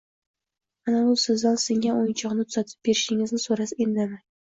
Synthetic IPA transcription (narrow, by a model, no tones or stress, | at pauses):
anabʊsɪzd̪ansɪŋaojɪnt͡ʃʰɒqnɪt̪ʰʊz̥at̪ʰɪ̥p̚be̞ɾɪʃɪŋɪznɪsoɾasɪnd̪anɪ